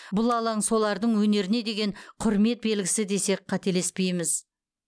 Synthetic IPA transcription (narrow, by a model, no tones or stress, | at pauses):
bʊlˠɑlˠɑɴso̞lˠɑɾd̪əɴwɵne̞ɾɪne̞d̪e̞ɡʲe̞ɴqʰʊɾme̞t̪̚be̞lɡʲɪsɪd̪e̞se̞k̚qʰɑt̪e̞le̞spe̞jmɪz